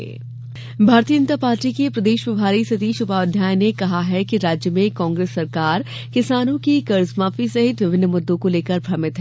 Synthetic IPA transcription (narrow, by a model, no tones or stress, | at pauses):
bʱaːɾt̪iːjənt̪apaːɾʈikepɾɐd̪eːʃʋɐbʱaːɾisɐt̪iːʃʊbaːd̪ʱjaːjnekɐɦaɦɛkiɾaːd͡ʒjəmẽkɔ̃ːŋɡɾeːsːɐɾkaːɾ | kɪsaːnõkikɐɾsmaːfisɐɦɪt̪ʋɪbʱɪnːəmʊd̪ːõkoleːkəɾbʱɾɐmɪt̪ɦɛ